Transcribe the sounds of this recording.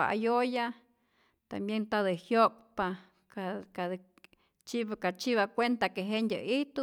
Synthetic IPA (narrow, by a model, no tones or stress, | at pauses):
aa̰joja | t̪a̰mbjent̪ad̪ɨhjok̚pa | kaka | t͡ʃibakat͡ʃiβakʷent̪akeɦeʔndʲə̰iht̪u